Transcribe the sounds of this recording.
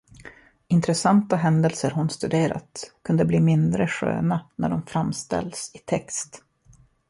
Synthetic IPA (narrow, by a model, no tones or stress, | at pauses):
ɪnt̪ɾɛsant̪aɦɛnd̪əlsəɾɦʊnst̪ɵd̪eːɾa̰t̪kʰɵnd̪əbliːmɪnd̪ɾəɧø̰ːnanæ̰ɖɔmfɾamːst̪ɛ̰lsɪt̪ʰɛkst̪